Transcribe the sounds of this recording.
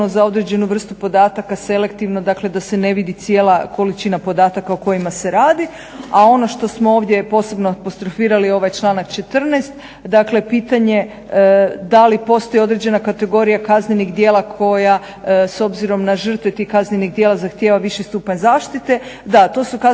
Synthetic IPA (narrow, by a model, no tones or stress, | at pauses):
nozao̞d̪ɾed͡ʑe̞nuʋr̩st̪upo̞d̪aːt̪akase̞le̞kt̪iʋnod̪akle̞d̪asene̞ʋid̪it̪sje̞ːlˠako̞lit͡ʃinapo̞d̪aːt̪akaoko̞jimase̞ɾaːd̪i | ao̞no̞ʃt̪o̞smooːʋd̪je̞po̞ːse̞bnoapost̪ɾo̞fiːɾalio̞ʋajt͡ʃlˠaːnakt͡ʃe̞t̪r̩nest̪ | d̪akle̞piːt̪aɲe | d̪alipo̞st̪o̞jeo̞d̪ɾed͡ʑe̞nakat̪e̞ɡo̞ɾijakazneniɣd̪je̞ːlˠakʰo̞ja | so̞bziɾo̞mnaʒər̩t̪ʋet̪ixkazneniɣd̪jeːlˠazaxt̪jeːʋaʋiʃist̪uːpaɲzaːʃt̪it̪e̞d̪at̪o̞suka